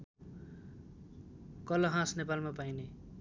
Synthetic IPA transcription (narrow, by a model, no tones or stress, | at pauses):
kʌlʌɦãsnepalmapajne